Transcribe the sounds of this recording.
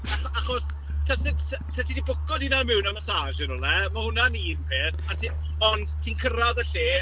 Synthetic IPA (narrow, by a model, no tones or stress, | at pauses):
aaχɔs | tʰasɪdssɛtʰidibʊkɔdinamɪwnamasaʒɪɾɔlɛmahʊnaniːnpʰeːθatʰi | ɔndtʰiːnkʰəɾaðəɬeː